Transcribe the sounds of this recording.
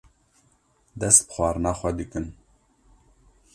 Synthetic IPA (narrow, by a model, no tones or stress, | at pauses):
d̪ɛst̪̚bxwɑːɾɨnɑːxʷɛd̪ɨkɨn